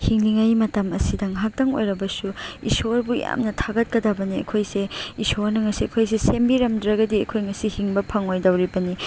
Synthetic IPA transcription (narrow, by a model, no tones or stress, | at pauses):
hiŋliŋajmɐtɐmɐsidɐŋɦak̚tɐŋo̰jɾɐbɐsuḭsoɾbuja̰mnɐtʰaɡɐt̚kɐdɐbɐniɐ̰kʰojseisoɾnɐŋɐsiɐkʰojsesembiɾɐmdɾɐɡɐdiɐ̰kʰojŋɐsihiŋbɐpʰɐŋojdɐwɾibɐni